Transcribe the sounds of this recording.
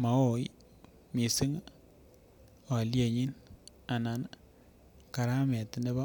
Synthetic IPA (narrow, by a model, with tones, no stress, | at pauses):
ma˨o˨j | mi˨si˦ŋ | a˨lje˨ɲi˦na˨na˨n | ka˨ɾa˦mɛ˨tne˦bɔ˦